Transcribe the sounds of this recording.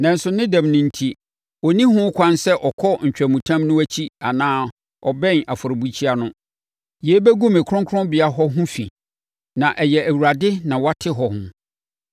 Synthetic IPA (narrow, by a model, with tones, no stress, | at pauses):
nã˨n̩˦sʊ˨nɪ̃˦dã˨mnĩ˨n̩˦tʰi˦ | ɔ˨nĩ˦ɦʊ̃˦kʰʷã˦nsɛ˦ʔɔ˨kʰɔ˦ɲ̩˨t͡ɕᶣɾæ˨mũ˨tʰã˦mnʊ̃˦æ˦t͡ɕʰi˦a˨nãː˦ | ɔ˨bɛ̃˦na˨fʊ˨ɾɪ˨bu˦t͡ɕʰi˦a˦nʊ̃˦ | je˦bɛ˦ɡũ˦mɪ̃˨kʰɾʊ̃˦ŋkʰʊ˦ʊ̃˦bɪ˨a˦ɦɔ˦ɦʊ̃˦fḭ̃˨ | nã˨ʔɛ˨jɛ˨æ˨wu˨ɾa˨dɪ˦nã˨wa˦tʰɪ˦ɦɔ˨hʊ̰̃˦